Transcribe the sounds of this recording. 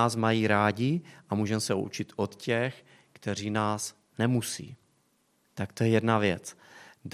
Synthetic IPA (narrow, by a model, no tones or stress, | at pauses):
aːsmajiːɾaːɟɪʔamuːʒɛmɛsɛʔṵt͡ʃɪt̪ʔot̪cɛx | kt̪ɛr̝iːnaːs | nɛmusḭː | t̪ak̚t̪ojɛjɛdnavjɛt͡s